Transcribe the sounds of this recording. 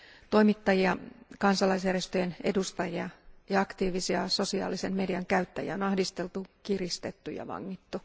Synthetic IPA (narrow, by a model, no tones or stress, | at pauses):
t̪o̞imit̪ːɑjiɑkɑnsɑlɑis̬jærje̞st̪øjenḛdust̪ɑjiɑjɑɑkt̪iːʋisiɑso̞siɑ̰ːlise̞mme̞diɑŋkæyt̪ːæ̰jæ̰onɑhdist̪elt̪ukirist̪et̪ːyjɑ̰ʋɑ̰ŋːit̪ːu